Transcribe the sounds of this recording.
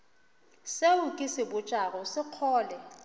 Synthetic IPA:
seukʼɪsɪbʊt͡ʃʼakʼɔsɪq͡χʰɔːlɛ

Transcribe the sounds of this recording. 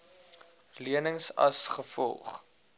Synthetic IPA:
liənəŋsɐ̰sχəfɔ̰lˠχ

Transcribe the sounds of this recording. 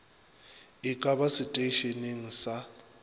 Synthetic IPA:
ikʼapʼasitʼeʃeniŋisa

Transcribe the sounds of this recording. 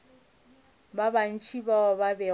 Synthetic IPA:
baban̩t͡ʃʰibababɛ

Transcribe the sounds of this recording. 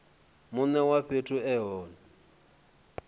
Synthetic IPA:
mʊnɛwaɸetʰʼʊɛɦɔːnɛ

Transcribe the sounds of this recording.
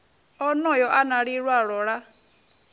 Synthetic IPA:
ɔnɔjɔʔanaɺiɺwaɺɔɺa

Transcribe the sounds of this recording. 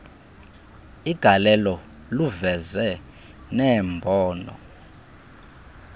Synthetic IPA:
iɡ̥ʱalɛlɔ | luvɛzɛ | nɛːmbʱɔːnɔ̰

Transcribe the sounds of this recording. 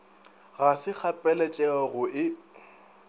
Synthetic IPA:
ɣasɪk͡xʰapʼɛlɛt͡ʃʼɛɔɣʊɪ

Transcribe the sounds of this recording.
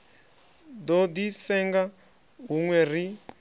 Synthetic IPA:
d̪ɔd̪isɛŋɡa | ɦuŋwɛr̤i

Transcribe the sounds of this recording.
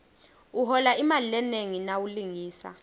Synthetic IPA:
uɦɔlaimalilɛneŋinawuliŋiːsa̰

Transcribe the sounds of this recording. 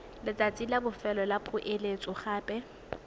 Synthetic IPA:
lɪt͡sʼat͡sʼilabʊfɛlɔlapʼʊʔelet͡sʼʊχaːpʼɛ

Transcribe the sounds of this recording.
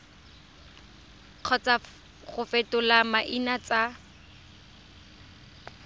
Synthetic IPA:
q͡χʰɔt͡sa | ɣʊfetʊlamaʔinat͡sʼa

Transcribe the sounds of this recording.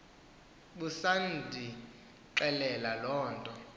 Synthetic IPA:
ɓusandʱi | ǁɛlɛlalɔːntʼɔ

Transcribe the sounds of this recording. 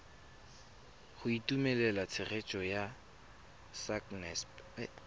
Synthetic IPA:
χʊitumɛlɛlat͡sʰɪret͡ʃʼɔja | saknɛsp

